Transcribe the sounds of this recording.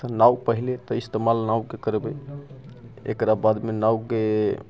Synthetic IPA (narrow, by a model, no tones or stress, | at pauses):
ənawpəɦilet̪ɔist̪emalnaukekəɾbe | ḛkɾabad̪menawke